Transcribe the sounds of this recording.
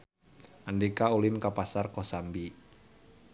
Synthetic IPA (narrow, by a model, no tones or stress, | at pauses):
ʔandikaulɪmkapasarkɔsambi